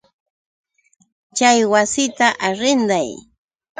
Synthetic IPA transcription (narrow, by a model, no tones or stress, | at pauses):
t͡ʃajwasɪt̪aʔaɾɪnd̪aj